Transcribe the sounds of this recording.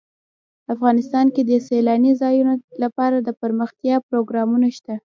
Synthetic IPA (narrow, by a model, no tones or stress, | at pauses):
afɣɑnɪst̪ɑnked̪əselɑnizɑjunolapɑɾad̪əpəɾməxt̪jɑpɾoɡɾɑmunaʃt̪a